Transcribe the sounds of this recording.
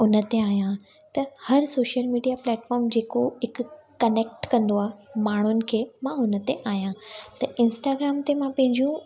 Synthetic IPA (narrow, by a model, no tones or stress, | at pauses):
ʊnə̆t̪eaːjã | t̪ɐhɐɾsoːʃəlmiːɖijaplɛːʈfɔːɾmd͡ʑeːkoɦɪkʊkɐneːk̚ʈkɐ̃nd̪oaːɦemaːɳ̤ʊnɪ̆kʰeːmãʊnə̆t̪eʔaːɦjãt̪ɐʔɪ̃nsʈaːɡɾaːmt̪emãpɐ̃ɦɪ̃ɲd͡ʑijũ